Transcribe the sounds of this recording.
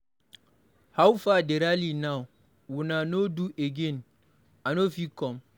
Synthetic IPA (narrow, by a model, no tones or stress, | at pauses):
hawfadeɾalinaw | wunanoduʔeɡẽn | anofikɔ̃m